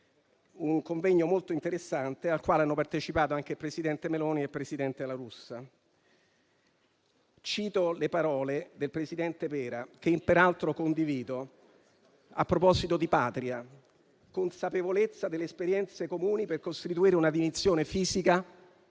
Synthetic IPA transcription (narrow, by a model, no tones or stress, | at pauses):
uŋkoɱvɛɲːomolt̪oint̪eɾesːant̪ealkwaːleanːopart̪et͡ʃipaːt̪oaŋk̟epɾesid̪ɛnt̪emelɔːniepːɾesid̪ɛnt̪ed̪elaɾusːa | t͡ʃiːt̪olepaɾɔːled̪elpɾesid̪ɛnt̪epɛːɾak̟empeɾalt̪ɾokond̪iviːd̪o | a̰pːɾopɔzit̪od̪ipaːt̪ɾia | konsapevolet̪sːad̪elːeːspeɾjɛnt̪sekomuːniperkost̪it̪uiːɾeunad̪imit̪sːjoːnefiːzika